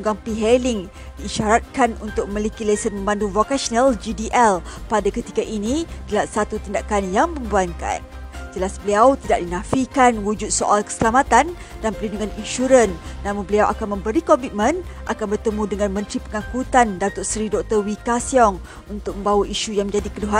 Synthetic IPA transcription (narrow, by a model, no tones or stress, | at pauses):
uŋɡaŋpiɦɛliŋ | diːʃaɾat̪̚kanunt̪ʊk̚mə̃likilesənmə̃mbanduvokasɔnəld͡ʒidiʔɛlpadakət̪i̥kaʔinidəlasat̪ut̪indakanjaŋməmbuanka̰n | d͡ʒəlasbəliawt̪idaʔ̚dinãfikanwud͡ʒʊt̪̚soʔalkə̥səlamat̪an | danpəlinduŋaninʃuɾənːãmũnbəliawʔa̰kanmə̃mbəɾikɔmit̪̚mə̃nʔakanbərt̪əmũdəŋanmə̃nt̪ɾipəŋãkut̪andat̪ʊrsɾidɔk̚t̪ərwikasiɔŋ | unt̪ʊk̚mə̃mbawaʔiʃujaŋmə̃ɲd͡ʒadikəduɦa